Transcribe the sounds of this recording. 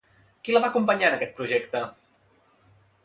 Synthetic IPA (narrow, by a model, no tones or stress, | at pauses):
kiləβakumpəɲanəkɛt̪̚pɾuʒɛkt̪ə